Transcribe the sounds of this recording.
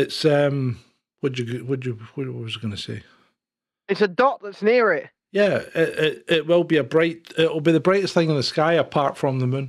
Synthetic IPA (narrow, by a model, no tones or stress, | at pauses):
ɪtsʌ̃m | wɔd͡ʒəɡwɔd͡ʒəwɔwɔʔ̚wʌzəɡʌnəsḛ | ɪtsədɔʔ̚ðətsniɹɪʔ | jæɪʔɪʔɪʔwɪlˠbiəbɹaɪʔɪʔwɪl̩ˠbiðəbɹaɪʔɪsθɪ̃ŋɪ̃nðəskaɪəpʰaɹtfɹə̃mðəmʉ̃n